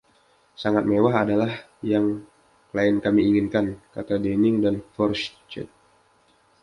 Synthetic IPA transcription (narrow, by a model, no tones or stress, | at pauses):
saŋat̪̚mewaɦadalah | jaŋ | laɪnkamiːŋinkankat̪adenɪŋdanfɔrst͡ʃɛ̰t̪̚